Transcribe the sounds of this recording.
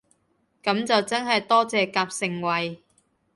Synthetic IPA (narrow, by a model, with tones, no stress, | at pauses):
kɐ˨˥mt͡sɐ˨wt͡sɐ˥nɦɐ˨jt̪ɔː˥t͡sɛː˧kaː˧p̚sɪ˧ŋwɐ˨˧j